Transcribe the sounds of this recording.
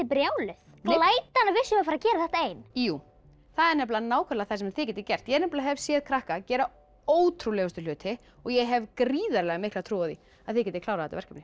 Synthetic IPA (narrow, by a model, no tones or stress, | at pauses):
ɪpɾjaːwlʏθ | klaːjt̪anːavɪsʏmafaɾacɛːɾaθɛht̪aeːjnjuː | θaðɛɾnɛpllanaːwkʰɛɾlaθasɛmθɪcɛːt̪ːɪcɛr̥t̪jɛɛɾnɛpllaɦɛvsjɛːðkʰɾahkacɛːɾa | oːwt̪ʰɾulɛːɣʏst̪ʏlʏːt̪ʰɪ | ɔɣjɛɦɛvkɾiːðaɾlɛɣamɪhklat̪ʰɾuːwaθi | aðθɪcɛt̪ɪkʰlawɾaθɛt̪a̰vɛr̥kʰapnɪ